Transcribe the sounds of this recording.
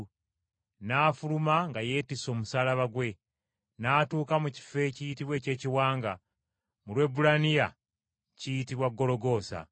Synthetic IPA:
naːfulumaŋɡaje̞ːtiso̞ːmusaːlaβaɡwe̞ | naːtuːkamuci̥fe̞cijitiβwe̞ːce̞ːciwaːŋɡa | mulwe̞bulanija | cijitiβwaɡːo̞lo̞ɡo̞ːsa̰

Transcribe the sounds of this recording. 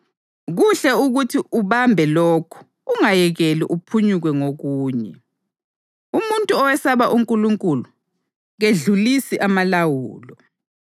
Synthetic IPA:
ɣuɬɛuɣutʰiʔuβambʱɛloːkʰu̥ | uŋajɛɣeliʔupʰuɲuɣwɛŋoɣuːɲɛ̰ | umuntʼuɔwɛsaβaʔuŋkʼuluŋkʼulu | ɣeɮulisiʔamalawṵːlɔ

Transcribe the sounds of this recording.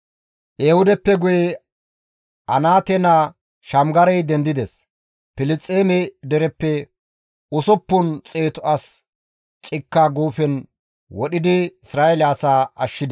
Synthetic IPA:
ʔeːhʊd̪ɛpːɛɡʊjɛ | ʔɐnaːt̪ɛna | ʃɐmɡɐɾɐjd̪ɛnd̪ɪd̪ɛs | pɪlɪt͡sʼːeːmɛd̪ɛɾɛpːɛ | ʊsɔpːʊnt͡sʼeːt̪ʊɐs | t͡ʃʼɪkːaːɡuːfɛn | wɔɗɪd̪ɪɪsɾaːjeɛlaːsaːɐ̰ʃːɪd̪

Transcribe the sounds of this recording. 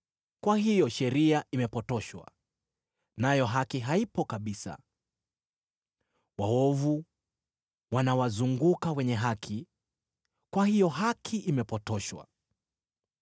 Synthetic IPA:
kwaɦijɔʃɛɾiaʔimɛpɔtɔʃwa̰ | najɔɦakiɦaipɔkaɓisa̰ | waɔvu | wanawazuŋɡukawɛɲɛɦakʰi | kwahijɔɦakʰiʔimɛpɔtɔʃwa̰

